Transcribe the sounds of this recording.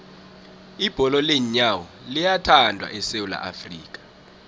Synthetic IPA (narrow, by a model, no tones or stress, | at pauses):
ib̥ʱɔlɔleɲawɔ | lijatʰandʱwa̰ʔɛsewula̰ʔa̰friːk̬ʼḁ